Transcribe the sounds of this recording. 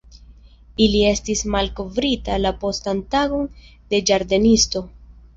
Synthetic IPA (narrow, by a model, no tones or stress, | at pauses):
ilie̞stismalko̞vɾitalapo̞stantaɡo̞nde̞d͡ʒaɾde̞nisto̞